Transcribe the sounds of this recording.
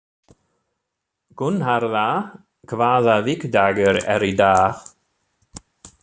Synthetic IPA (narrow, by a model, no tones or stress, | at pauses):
ɡ̥ʊnɦaɾða | kʰvaːðavɪkd̪aɡəɾɛ̰ɾid̪aːx